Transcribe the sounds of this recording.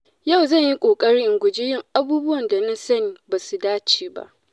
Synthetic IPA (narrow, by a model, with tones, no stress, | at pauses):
ja˦˨wzɐ˦˨ɲji˦kʷʼoː˨kʼɐ˦ɽiː˦ʔɪ˨ŋɡʷʊ˨d͡ʒe˦jɪ˦ŋʔa˦buː˦bʊ˦wɐ˨nda˨na˦sɐ˦niː˨baː˨su˨daː˦t͡ʃiː˨ba̰˦ʔ